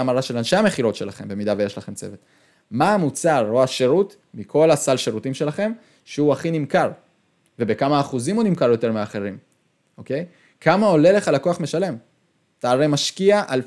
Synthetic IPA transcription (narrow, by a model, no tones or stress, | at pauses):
amaʁaʃe̞lanʃe̞ame̞χiʁo̞tʃe̞laχembe̞mid̪aveeʃlaχe̞mt͡se̞̰vet̪ | maːmut͡saʁoaʃeʁut | mikʰo̞lasalʃeʁutimʃe̞laχe̞m | ʃeuaχinimkaʁ | ve̞be̞kamaːχuzimunimkaʁjo̞t̪e̞ʁmeaːχe̞ʁim | o̞ke̞j | kʰamao̞le̞le̞χalako̞aχme̞ʃale̞m | t̪aːʁemaʃkiaʔal